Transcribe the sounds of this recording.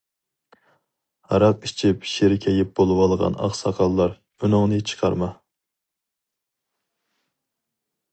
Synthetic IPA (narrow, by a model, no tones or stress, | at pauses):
hɑɾɑqit͡ʃʰipʃeɾɪkʲʰɛjɪp̚bolˠɨwɑlˠʁɑ̰nɑ̰χsɑqʰɑlˠːɑɾ | ynʊŋnɨt͡ʃʰə̥qʰɑɾmɑ